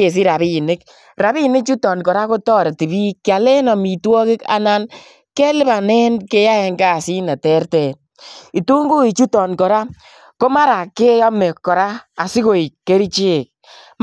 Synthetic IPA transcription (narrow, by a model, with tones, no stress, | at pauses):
e˨s̬i˦ɾa˨βi˦˨ne˦k | ɾa˨bi˦˨ne˦k̚t͡ʃu˦tɔ˨nkɔ˨ɾa˦ko˦tɔː˦ɾe˨ti˨βi˦kːja˨le˦nɔ˨mi˨twɔ˦kɪ˦ka̰˦na˦n | ke˦lɪ˦ba˨nɛ˦nke˦ja˦ɛ˧ŋɡaː˦˨si˦na˨tɛ˦rtɛ˨ | i˨tu˦ŋɡu˦i˨t͡ʃu˦tɔ˨nkɔ˨ɾa˦ | ko˦ma˦ɾa˨ke˦jɔ˦me˨kːɔ˨ɾa˦a˨si˦ko˨i˨kːe˦ɾi˦t͡ʃi˦˨k̚